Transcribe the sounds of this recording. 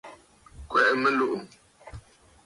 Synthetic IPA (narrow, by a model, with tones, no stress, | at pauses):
kwɛ˨ʔmə˦lu˦˨ʔu˨m